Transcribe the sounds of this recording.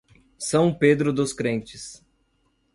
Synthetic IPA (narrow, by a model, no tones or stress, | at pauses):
sɐ̃w̃ped̪ɾʊd̪ʊskɾẽnt͡ʃɪs